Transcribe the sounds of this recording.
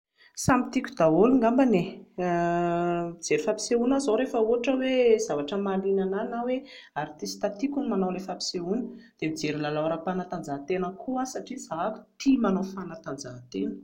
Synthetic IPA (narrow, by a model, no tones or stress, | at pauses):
samit̪ikʲu̥d̪̥aoluŋɡambane | id͡zeɾifapi̥seunazoɾefəuaʈ͡ʂəwez̥avaʈ͡ʂəmalinananawe | aɾt̪ist̪at̪ikʲunimanawlefapi̥seunə̥d̪̥emid͡zeɾilalawɾapanat̪and͡zaɦt̪enəkʰuasaʈ͡ʂizaɦakʲu̥t̪ʰimanawfanat̪and͡zaɦt̪enə